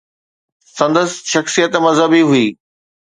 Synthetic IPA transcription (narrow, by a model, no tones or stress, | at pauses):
sɐ̃nd̪əsʃɐxsijət̪mɐzɦəbiɦuiː